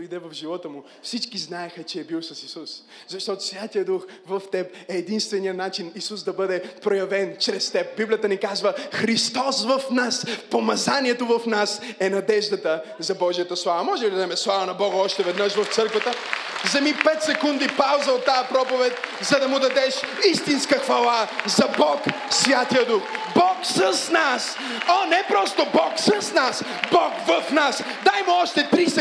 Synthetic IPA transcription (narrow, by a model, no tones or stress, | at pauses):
ʊid̪ɛvɐfʒivɔt̪əmʊ | fsit͡ʃkiznaɛxɐt͡ʃɛːbiwsəsisus | zɐʃt̪ɔt̪ʊ̥svʲjat̪ijəd̪uxvɐft̪ɛp̚ɛːd̪inst̪vɛnijənat͡ʃinisusd̪ɐbɤd̪ɛpɾojɐvɛnt͡ʃɾɛst̪ɛp̚biblʲijət̪ənikazvəxɾist̪ɔsvɐfnaspomɐzanʲiɛt̪ovɐfnasɛnɐd̪ɛʒd̪ət̪əzɐbɔʒijət̪əslˠavɐmɔʒɛbid̪ɐzɛmɛslˠavɐnɐbɔɡɐɔʃt̪ɛvɛd̪nəʃvɐft̪sɤɾkvɐt̪əzɐmipɛt̪sɛkund̪ipawzɐot̪ːaɐpɾɔpovɛt̪̚ʲzɐd̪ɐmʊd̪ɐd̪ɛʃist̪inskəxvɐlˠazɐbɔk | svʲjat̪ijəd̪uxbɔksɐsnas | onɛpɾɔst̪obɔksɐsnas | bɔkvɐfnas | d̪ajmɛɔʃt̪ɛt̪ɾis